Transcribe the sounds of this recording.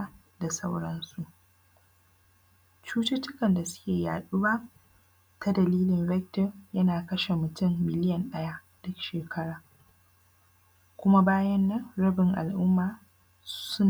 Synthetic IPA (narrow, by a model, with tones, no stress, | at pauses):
da˨sɐ˦wɽɐ˦nsu˨ʔ | t͡ʃuː˦tɪ˦tɪ˦kɐ˨nda˨sʊ̥˦kʲeː˨ja̰ː˨ɗuː˦ba˦ | ta˦dɐ˨liː˦lɪ˨nvɛ˦k̚tɔ˨rjɐ˦naː˨kɐ˦ʃe˨mʊ˨tʊ˦˨mːɪ˨lɪ˦jɐ˨nɗɐ˦ja˦ | d̥ʊ˦kʃeː˨kʰɐ˦ɽaː˨ | kʷʊ˦ma˦baː˦jɐ˦nːɐ˦ŋɾɐ˦bɪ˨ŋʔa̰˨lʔʊ˦mːaː˨ | sʊ˦n